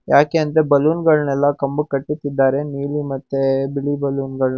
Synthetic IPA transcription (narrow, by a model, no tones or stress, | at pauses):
jaːkeːɐnd̪ɾebɐluːnɡɐɭnɛlːɐkɐmbukɐʈːit̪ːid̪ːaːɾe̞niːlimɐt̪ːebiɭibɐluːnɡɐɭ